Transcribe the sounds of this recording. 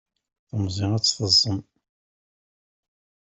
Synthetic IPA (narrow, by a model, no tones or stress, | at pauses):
θəmzˤiʁæt͡sːfəzˤːəm